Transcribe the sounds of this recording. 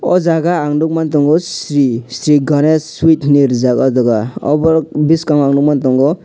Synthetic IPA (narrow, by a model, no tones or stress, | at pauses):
ɔ̰zaɡaːŋnduk̚mant̬ɔŋɡɔsɾisɾiɡɔnesːwit̪ʰniɾzakɔdɔɡaɔ̰bɔɾbiskaŋaŋnuk̚mantɔŋɡɔ